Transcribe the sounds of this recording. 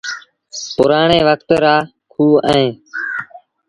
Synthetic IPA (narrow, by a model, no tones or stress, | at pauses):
pʊɾaːɳeːʋəkt̪ɾaː | kʰuːə̰ẽː